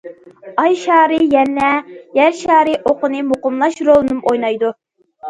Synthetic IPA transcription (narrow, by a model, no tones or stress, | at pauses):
ɑjʃɑːɾɨjɛnːɛjɛɾʃɑːɾɨʔoqənɨmoqʊmlˠɑʃɾolˠɨnɨmojnɑjd̪u